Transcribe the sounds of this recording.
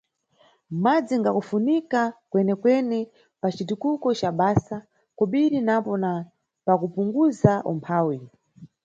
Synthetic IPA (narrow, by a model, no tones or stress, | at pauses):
mad͡ziŋɡakufunikakwɛnɛkwɛnɛ | pat͡ʃitukukɔt͡ʃaɓaːsa | kɔɓiɾinapɔna | pakupuŋɡuzaʔɔ̰mpʰaːwi